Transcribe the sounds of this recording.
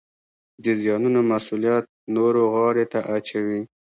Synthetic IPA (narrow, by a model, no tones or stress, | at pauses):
d̪əzjɑnunomasulijat̪̚noɾoɣɑɽet̪aʔat͡ʃawi